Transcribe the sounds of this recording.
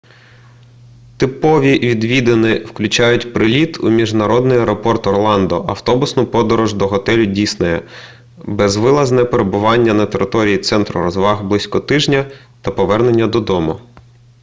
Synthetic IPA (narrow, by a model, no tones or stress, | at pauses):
t̪ɪpɔʋʲiʋʲid̪ʋʲid̪enɪwklʲʊt͡ʃɑjʊtʲpɾɪlʲit̪ʰumʲiʒnɐɾɔd̪nɪjɐɾɔpɔrt̪ɔrlˠɑnd̪ɔʔɐwt̪ɔbʊsnʊpɔd̪ɔɾɔʒd̪ɔɦɔt̪ɛlʲʊdʲisnʊjɛ | bɛzʋɪlˠɐznɛpeɾebʊʋɑnʲːɐnɐt̪eɾʔɪt̪ɔɾʲijit̪sɛnt̪ɾʊ̰ɾɔzʋɑɦblˠɪsʲkɔt̪ɪʒnʲɐ | t̪ɐpɔʋɛrnenʲːɐd̪ɔd̪ɔmʊ